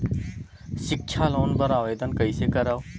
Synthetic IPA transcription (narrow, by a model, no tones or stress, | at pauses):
ʃɪkʃʰaloːnbəɾaːʋeːd̪ənkəisekəɾaːʋo